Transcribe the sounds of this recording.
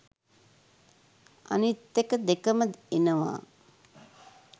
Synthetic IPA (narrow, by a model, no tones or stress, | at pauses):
a̰nit̪ːekəd̪ekəməd̪enəʋa̰ː